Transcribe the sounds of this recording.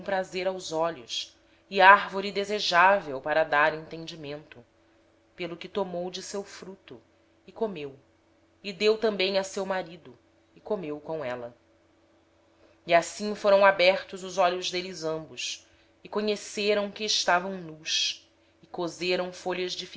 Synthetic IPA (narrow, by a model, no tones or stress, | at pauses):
pɾazeɾawzɔʎʊs | iaɾvoɾid̪ezeʒavewpaɾɐd̪aɾẽnt̪ẽnd͡ʒimẽnt̪ʊ | pelʊkɪt̪omowd͡ʒɪsewfɾut̪ʊ | ɪkomew | ɪd̪ewt̪ɐ̃mbẽj̃ɐsewmaɾid̪ʊ | ɪkomewkõw̃ɛlɐ | iasĩfoɾɐ̃w̃abɛɾt̪ʊzʊzɔʎʊzd̪elɪzɐ̃mbʊs | ɪkoɲeseɾɐ̃w̃kɪːʃt̪avɐ̃w̃nuʃ | ɪkozeɾɐ̃w̃foʎɐzd͡ʒif